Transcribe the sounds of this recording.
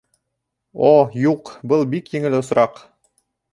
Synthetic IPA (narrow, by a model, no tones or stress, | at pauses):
ojuqbɤlˠbikjĭŋɘlɘŏsɾɑq